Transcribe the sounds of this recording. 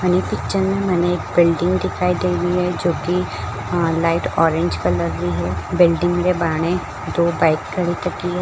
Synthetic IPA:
mɛːnepɪk̚t͡ʃəɾmẽmɛːneeːkbɪlɖɪ̃ŋɡd̪ɪkʰaːid̪eːliɦɛd͡ʒoːki | laːɪʈɔːɾɪ̃ɲd͡ʒkɐlɐɡliɦɛbɪlɖɪ̃ŋɡmeːɾebaːɽ̃ẽ | d̪oːbaːɪkːɐɽit̪ɐkːiɦɛː

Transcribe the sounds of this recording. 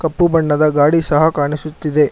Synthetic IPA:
kɐpːubɐɳːɐd̪ɐɡaːɽisɐɦɐkaːɳisut̪ːid̪e̞

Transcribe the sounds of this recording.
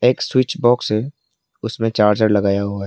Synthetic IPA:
eːkswɪt͡ʃbɔːksɦe | ʊsmẽt͡ʃaːɾd͡ʒəɾlɐɡaːjaɦuaɦɛː

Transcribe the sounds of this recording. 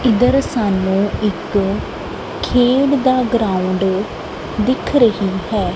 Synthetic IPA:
ɪd̪əɾsaːnːũːɪk | kʰːeːɽd̪aːɡɾãːʊɳɖ | d̪ɪkʰɾəɦiːɦɛː

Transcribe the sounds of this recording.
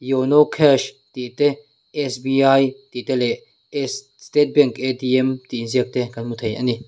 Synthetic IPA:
jonɔkʰɛʃ | t̪iʔt̪ɛ | ʔɛsbiajt̪it̪ɛlɛ | s | st̪ɛt̪̚bɛŋked̪iɛmt̪iziək̚t̪ɛkanmut̪ʰejʔa̰ni

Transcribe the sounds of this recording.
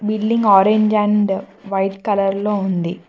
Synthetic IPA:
bilɖiŋɡɔːɾeɲd͡ʒɐ̃ɳɖʋɐjʈ̪kɐlɐɾloːund̪ḭ

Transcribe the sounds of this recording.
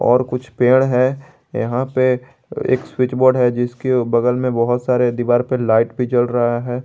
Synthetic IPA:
ɔ̰ːɾkʊt͡ʃʰpeːɽ̃ɦɛː | jɐ̰ɦãpe | ḛːkswɪt͡ʃbɔːɾɖɦɛd͡ʒɪskebɐɡəlmẽbɐɦʊt̪saːɾed̪iʋaːɾpelaːɪʈbʱid͡ʒɐlɾɐɦaɦɛː

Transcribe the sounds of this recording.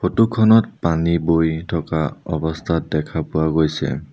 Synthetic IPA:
pʰotukʰɔnɔt̚panibojtʰɔkaɔbɔstʰat̚dɛkʰapʊwaɡojsɛ̰

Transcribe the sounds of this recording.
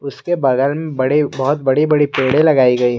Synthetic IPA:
ʊskebɐɡəlmẽbɐɽibɐɦʊt̪̚bɐɽibɐɽipeːɽelɐɡaːiɡɐiɦ

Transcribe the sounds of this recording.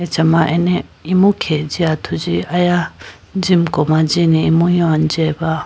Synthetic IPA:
ɛt͡ʃʰamaʔɛnɛ | imukʰɛd͡ʒiat̪ʰud͡ʒiaja | d͡ʒimkɔmad͡ʒiniimujɔnd͡ʒɛba

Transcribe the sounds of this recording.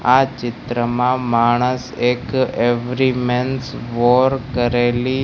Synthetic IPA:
at͡ʃɪt̪ɾəmãmaɽ̃əsekeʋɾimensʋoɾkəɾeli

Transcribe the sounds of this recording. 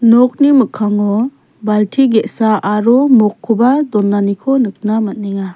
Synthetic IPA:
nɔk̚nimɯkʰːaŋɔ | baltʰiɡetsaʔaɾɔmɔkʰːubadɔnːanikʰɔnɯk̚namat̚niŋa

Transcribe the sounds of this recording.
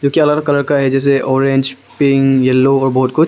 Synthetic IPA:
d͡ʒõːkiɐlaləɡkɐləɽkaɦɛd͡ʒɛːs̬eʔɔːɾẽɲd͡ʒpɪŋɡjɛlːoɔːɾbɔɦʊt̪̚kʊt͡ʃʰ

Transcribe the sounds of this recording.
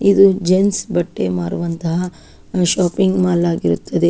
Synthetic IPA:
id̪ud͡ʒensbɐʈːe̞maːɾuʋɐnt̪ɐɦɐ | ʃaːpiŋɡmaːlaːɡiɾut̪ːɐd̪e̞

